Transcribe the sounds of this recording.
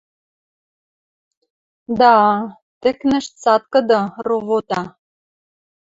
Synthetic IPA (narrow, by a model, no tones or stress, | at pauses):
d̪ɑ | t̪ɘ̆knɘ̆ʃt̪t͡sɑt̪̚kɤ̆d̪ɤroβot̪ɑ